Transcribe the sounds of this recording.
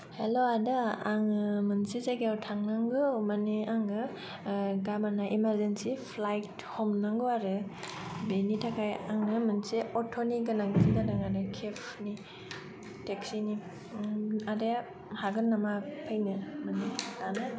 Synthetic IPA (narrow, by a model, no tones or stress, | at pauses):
heloadaaŋmɯnsizaɡiawtʰaŋnaŋɡɯmaneaŋɯ | ɡamanaʔimaɾzensipʰlajt | hɔmnaŋɡɯaɾɯ | benitʰakʰajaŋnɯmɯnseɔtʰoniɡanaŋtʰiɡanaŋanɯkʰepʰni | teksini | ade | haɡɯnːamapʰɯjnɯmɯniatanɯ